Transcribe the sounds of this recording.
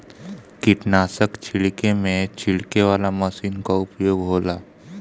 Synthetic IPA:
kɪʈnaːsəkt͡ʃʰɪɽkemẽt͡ʃʰɪɭkeʋaːlaməsiːnkaʊpjoːɡɦoːlaː

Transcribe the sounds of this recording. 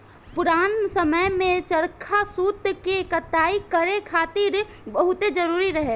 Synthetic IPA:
pʊɾaːnsəməjmẽt͡ʃəɾkʰasuːt̪kekət̪aːikəɾekʰaːt̪iɾ | bəɦʊt̪ed͡ʒəɾuːɾiɾəɦe

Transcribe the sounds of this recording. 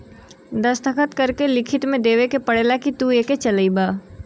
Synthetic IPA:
d̪ɐst̪ʰəkʰət̪kɐɾkelɪkʰɪt̪mẽd̪eːʋekepɐɽeːlakit̪ueːket͡ʃɐlibaː

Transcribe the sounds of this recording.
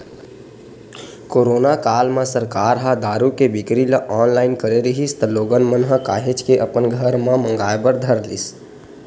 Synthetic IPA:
koːɾoːnakaːlmãsəɾkaːɾɦad̪aːɾukebɪkɾilaʔɔːnlaːɪnkəɾeɾiɦist̪əloːɡənmənɦəkaːɦet͡ʃkeʔɐpənɡʱəɾmãmə̃ŋɡaːjbəɾd̪ʱəɾlḭs

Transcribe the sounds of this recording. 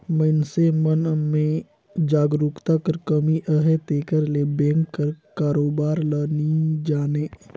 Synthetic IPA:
məɪnsemənmẽ | d͡ʒaːɡɾukt̪akəɾkəmiʔəɦet̪eːkəɾlebẽːŋkːəɾkaːɾoːbaːɾlaːnid͡ʒaːneː

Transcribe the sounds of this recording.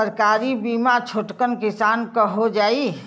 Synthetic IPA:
əɾkaːɾibimat͡ʃʰoʈkənkɪsaːnkəɦod͡ʒaːi

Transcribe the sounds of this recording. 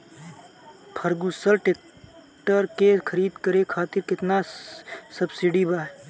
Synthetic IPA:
pʰəɾɡusəɾʈeːk | ʈəɾkekʰəɾiːd̪kəɾekʰaːt̪ɪɾkɪt̪na | sɐbsiɖibaː

